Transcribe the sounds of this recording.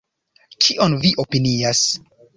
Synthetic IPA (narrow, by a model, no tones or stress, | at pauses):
t͡ʃʰiʔonviʔopinias